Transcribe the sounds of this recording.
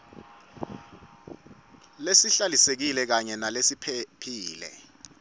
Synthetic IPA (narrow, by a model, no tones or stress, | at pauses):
lesiɬalisek̬ilɛk̬aɲɛnalesipʰpʰiːlɛ̰